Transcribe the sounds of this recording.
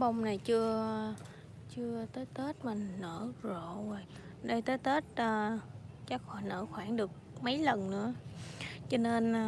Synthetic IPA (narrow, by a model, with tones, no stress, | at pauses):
ɓə˧wŋ͡mna˨˩jt͡ɕɨ˧ə | t͡ɕɨ˧ət̪əː˨˦jt̪e˦˥t̚maː˨˩nəː˧˩zo̰˧˨vo˨˩j | ɗə˧jt̪əː˨˦jt̪e˦˥t̚ːt͡ɕa˦˥k̚xɔ˧˩jnə̰ː˧˥xwaː˧˩ŋɗɨ˨˩ək̚mə˨˦jlə˨˩nnɨ̰˧˥ə | t͡ɕɔ˧ne˧n˩